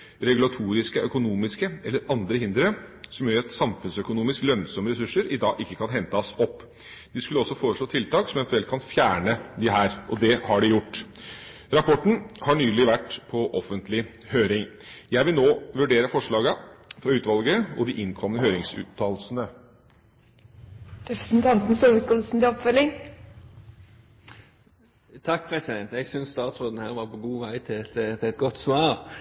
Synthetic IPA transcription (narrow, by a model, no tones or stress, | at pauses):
ɾɛɡʉlɑt̪ʰuːɾɪskəʔœkʊnuːmɪskəɛlːəɾɑnd̪ɾəhɪnd̪ɾəsɔmjøːɾɛt̪sɑmfʉnsœkʊnuːmɪsklœnsɔməɾɛsʉʂəɾɪd̪ɑːɡɪkːəkʰɑnɦɛnt̪əɔsɔpː | d̪̥ɪskʉləɔsːɔfoːɾəʂɭoːt̪ʰɪlt̪ɑːksɔmɛnt̪ʉɛlkʰɑnfjæːɳəd̪ɪɦæːɾʔɔd̪ɛhɑɖɪjʊʈː | ɾɑpʰɔʈːɳ̩hɑɳyːlɪʋæʈːpʰɔʔɔfənt̪ʰlɪ | høːɾɪŋjæɪʋɪlnoːʋʉɖeːɾəfɔʂɭɑːɡəfɾɑʉːt̪ʋɑlɡəɔd̪ɪʔɪnkʰɔmənəhøːɾɪŋsʉ̰ːt̪ʰːɑːlsnə | ɾɛpɾə̥sn̩t̪ʰɑnt̪n̩sɔlʋəkɔlsn̩t̪ɛɔpfœlɪŋ | t̪ʰɑk̚ːpʰɾɛsɪd̪ɛnt̪ɛɡsʏnsst̪ɑːt̪sɾoːd̪n̩hæːɾʋɑɾpɔɡuːʋæɪt̪ʰɪɛt̪t̪ʰɪɛt̪̚ɡɔt̪ːsʋɑːɾ